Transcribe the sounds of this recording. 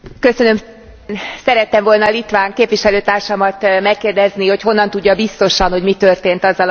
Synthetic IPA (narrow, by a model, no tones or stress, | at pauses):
køsønø̞m | nsɛɾɛt̪ːɛɱvo̞lnɒlit̪ʋaːŋkeːpʋiʃɛløːt̪aːrʃɒmɒt̪mɛkːeːrd̪ɛzniho̞cɦo̞nːɒnt̪uɟːɒbist̪o̞ʃɒnho̞ɟmit̪ø̞rt̪eːnt̪ɒzːɒl